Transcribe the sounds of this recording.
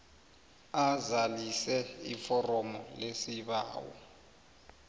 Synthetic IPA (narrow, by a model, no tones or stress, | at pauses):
azalisɛifɔrɔmɔlesiɓa̰ːwɔ̰